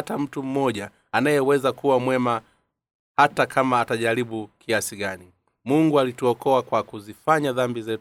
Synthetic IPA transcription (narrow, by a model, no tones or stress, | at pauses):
tam̩tum̩mɔʄaː | najɛwɛzakuwamwɛma | hatakʰamaːtaʄaɾiɓukʰiasiɡani | muŋɡualituɔkɔakwakuzifaɲaðambizɛ